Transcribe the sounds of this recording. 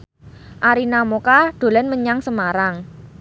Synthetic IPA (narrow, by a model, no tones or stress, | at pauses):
ʔaɾinamokaɖ̪̥o̤lənməɲaŋsəmaɾaŋ